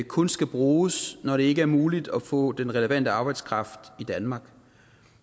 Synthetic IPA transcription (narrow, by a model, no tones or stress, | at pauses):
kʰɔ̽nsɡ̥æb̥ʁuːsnɒɾ̥e̝e̝ɡ̥əæɐmuːlid̥ɒfɔ̰̽ːd̥enʁɛləʋæn̰d̥əɑ̈b̥ɑ̈ɪd̥skʰʁɑ̈fd̥id̥ænmɑ̈ːɡ̥